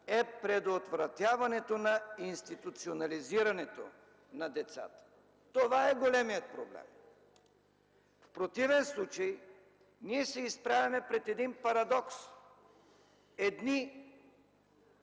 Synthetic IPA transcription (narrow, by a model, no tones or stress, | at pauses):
ɛpɾɛd̪ot̪vɾɐt̪ʲjavɐnɛt̪onɐinst̪it̪ut̪sionɐliziɾɐnɛt̪o̰ | nɐd̪ɛt̪sa̰t̪ə̥ | t̪ovaɛɡolɛmijət̪̚pɾoblɛ̰m | fpɾot̪ivɛnslˠut͡ʃɐj | niɛsɛispɾavɐmɛpɾɛt̪ɛd̪inpɐɾɐd̪ɔks | ɛd̪ni